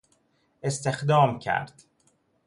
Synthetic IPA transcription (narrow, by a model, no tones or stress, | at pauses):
e̞st̪e̞xd̪ɒːmcʰæ̰ɾd̪̥